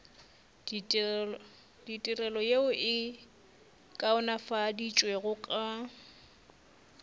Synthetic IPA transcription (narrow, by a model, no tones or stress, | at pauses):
ditʼirɛlɔjeʊʔɪ | kʼaʊnafadit͡ʃʼweɣʊkʼa